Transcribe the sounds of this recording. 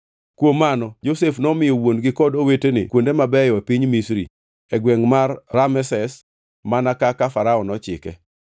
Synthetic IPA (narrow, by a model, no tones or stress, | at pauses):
kwomːanɔd͡ʒosefnɔmɪjɔwonɡɪkɔdowetenɪ̰kwondemabɛjɔepiɲmisɾḭ | ɛɡwɛŋmarːamɛsɛs | manakakafaɾaɔnɔt͡ʃɪkɛ̰